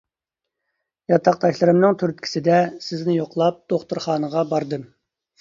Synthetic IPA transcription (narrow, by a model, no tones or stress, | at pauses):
jɑt̪ʰɑq̚d̪ɑʃʲlˠɨɾɨmnɨŋt̪ʰyɾyt̪̚kʲʰi̥sɪd̪ɛsɪznɪjoqlˠɑp̚d̪̥oχt̪uɾχɑːnəʁɑbɑɾd̪ɨm